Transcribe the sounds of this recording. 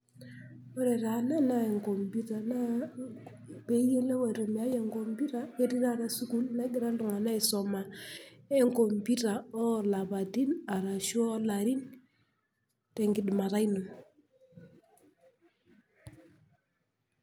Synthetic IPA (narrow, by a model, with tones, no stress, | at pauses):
wɔ˦ɾe˨ɾa˨na˦na˦e˨ŋko˨mbi˦ta˨na˦ | pe˦je˦le˦we˨ɾe˨m˨a˦je˦˨ŋɡo˨mbi˦ɾa˦e˦ɾi˦na˦˨ɾa˨su˦ku˦lna˦ɡi˦ɾa˦n˦du˨ŋa˨na˦i˨sɔ˨ma˨e˦ŋko˨mbi˦ta˨ɔ˦la˨ba˨di˦na˨ɾa˨ʃu˦o˦la˨ɾi˦n | te˨ŋɡi˨dma˨ɾa˦jnu˨n